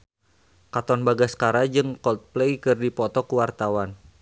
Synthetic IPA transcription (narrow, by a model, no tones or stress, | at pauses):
kat̪ɔnbaɡaskaɾad͡ʒɨŋkɔt̪̚plɛjkɨrdipɔt̪ɔkuwart̪awan